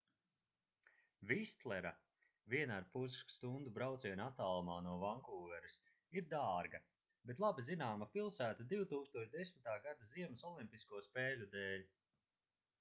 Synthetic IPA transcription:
vist̪lˠɛɾa̰ | viɛnaaɾpuzskst̪und̪ubɾawt̪siɛnat̪aːlˠmaːnuɔvaŋkuːvɛɾis | iɾd̪aːɾɡɐ | bet̪lˠabizinaːmapilˠsæːt̪ad̪iwt̪uːkst̪uɔt͡ʃd̪esmit̪aːɡad̪aziɛmasɔlˠimʲpʲiskuɔspɛːlʲud̪ɛːlʲ

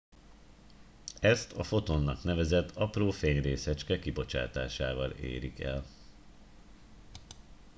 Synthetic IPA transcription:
ɛst̪ʰɒfo̞t̪onːɒkn̪ɛvɛzɛt̪ʰːɒproːfeːɲreːsɛt͡ʃkɛkibo̞t͡ʃa̰ːt̪a̰ːʃaːvɒlḛːɾikɛ̰l

